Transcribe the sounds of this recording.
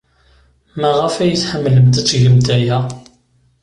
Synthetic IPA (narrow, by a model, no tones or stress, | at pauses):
mæʁəfæjəθħəmːləmt̪æt͡sːʝəmt̪æjæ